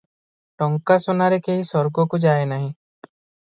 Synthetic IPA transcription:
ʈɔŋkasɔnaɾekeɦisɔɾɡɔkud͡ʒaenaɦĩ

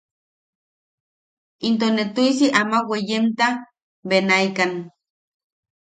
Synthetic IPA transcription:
int̪̬onet̪uisiʔamawejemt̪a | benaikan

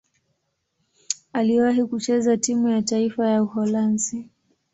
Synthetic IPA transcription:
aliwaɦikut͡ʃɛzatimujataifajauhɔlansi

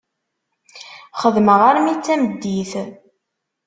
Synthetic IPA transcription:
χəðməʁaɾmit͡sːæməd̪ːiθ

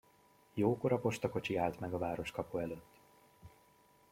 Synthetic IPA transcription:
joːko̞ɾɒpo̞ʃt̪ɒko̞t͡ʃiaːlt̪mɛɡɒvaːɾo̞ʃkɒpuɛløːt̪ː

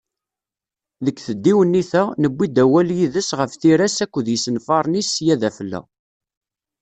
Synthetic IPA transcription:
ðəkːθəd̪ːiwənːiθænəbːid̪æwæljiðəsʁəfθiɾæsækʷːəðjəsənfɑɾˤnisjæðæfəlːæ̰

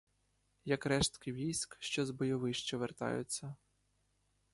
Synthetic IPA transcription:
jɐkɾɛʃt̪kɪʋʲijsʲkʃt͡ʃɔzbɔjɔʋɪʃt͡ʃɔʋert̪ɑ̰jʊ̰t͡sʲːɐ

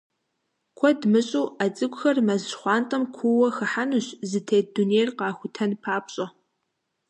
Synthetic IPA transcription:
kʷʰɔdmɨɕʼuːat͡sʼɨɡʷʼxɐrmɐzχʷɑːntʼɐmkʷʰuwɐxɨħanuɕzɨtʰeːdunejrqɑːxʷʊtʰɐnpʰaːpɕʼɐ

